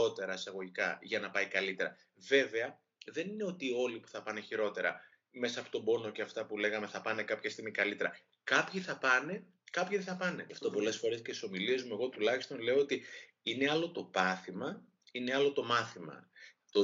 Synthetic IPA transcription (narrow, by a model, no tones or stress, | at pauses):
o̞t̪e̞ɾɐesɐɣo̞ʝikɐʝɐnɐpɐikɐlit̪e̞ɾɐ̰ | ve̞ve̞ɐ | ðe̞nine̞o̞t̪io̞lipu̥θɐpɐne̞çiɾo̞t̪e̞ɾɐ̰ | me̞sɐːpo̞t̪o̞bo̞no̞ce̞ɐft̪ɐpule̞ɣɐme̞θɐpɐne̞kɐpçɐst̪iɣmikɐlit̪e̞ɾɐ̰ | kɐpçiθɐpɐne̞ | kɐpçiðeθɐpɐne̞ɐft̪opo̞le̞sfo̞ɾe̞scesi̥so̞milie̞zmue̞ɣo̞t̪ulɐçi̥st̪o̞nle̞oot̪i | ineɐlo̞t̪o̞pɐθimɐ | ine̞ɐlo̞t̪o̞mɐθimɐ̰t̪o